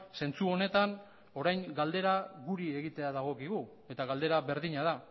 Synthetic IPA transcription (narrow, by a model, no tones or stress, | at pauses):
se̞nt͡suo̞ne̞t̪an | o̞ɾajŋɡald̪e̞ɾaɣuɾie̞ɣit̪e̞aðaɣ̞o̞kiɣu | e̞t̪aɣald̪e̞ɾaβe̞ɾðiɲaða